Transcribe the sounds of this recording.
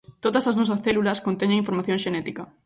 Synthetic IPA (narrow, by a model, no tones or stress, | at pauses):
t̪oðɐsɐznɔs̬ɐsθɛlulɐskont̪eɲeŋĩɱfoɾmaθjõŋʃenɛt̪ikɐ